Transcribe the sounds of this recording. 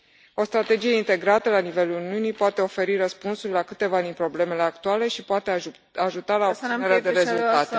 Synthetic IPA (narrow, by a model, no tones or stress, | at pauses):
o̞st̪ɾat̪e̞d͡ʒije̞int̪e̞ɡɾat̪əlanive̞luluniunijpoat̪e̞o̞fe̞ɾiɾəspunsurʲlakɨt̪e̞vad̪inpɾo̞ble̞me̞le̞akt̪uale̞ʃipoat̪e | aʒut̪alaob̪ineɾad̪e̞ɾe̞zult̪at̪e